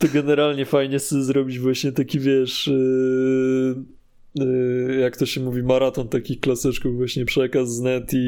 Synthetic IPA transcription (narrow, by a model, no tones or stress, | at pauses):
t̪ɔɡɛnɛɾalɲɛfajɲɛsɛzɾɔbʲid͡ʑvwaɕɲɛt̪akʲivʲjɛʂ | jakːt̪ɔɕɛmuvʲimaɾat̪ɔnt̪akʲixklasɛt͡ʂkuvvwaɕɲɛpʂɛkazːnɛt̪i